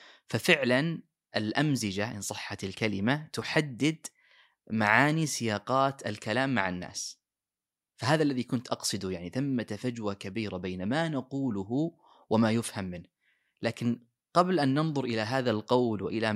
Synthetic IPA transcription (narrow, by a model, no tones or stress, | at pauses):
fafɪʕlan | ʔɪlʔamzɪd͡ʒaʔɪ̰nsˤɨħːat̪alkalɪmat̪ʊħad̪ːɪd̪ | maʕaːnisɪjɑːqɑːt̪alkalaːmːaʕanːa̰ːs | faɦaːðaʔlːaðikʊnt̪ʔɑqsˤɨd̪ujaʕniθamːat̪afad͡ʒwakabiːɾabajnamanaquːlʊɦʊ | wʔamajʊfhamːɪnh | laːkɪn | qɑblʔanːɑnðˤʊɾʔɪlaɦaːðalqɑwlwa̰ʔɪla